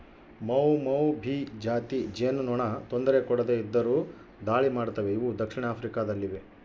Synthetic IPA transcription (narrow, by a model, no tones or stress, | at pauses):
mɐwmɐwbʱid͡ʒaːt̪id͡ʒennɔɳɐt̪ond̪ɐɾekɔɽɐd̪eid̪ːɐɾuː | d̪aːɭimaːɖt̪ɐʋe̞iʋud̪ɐkʂiɳaːpʰɾikad̪ɐlːiʋe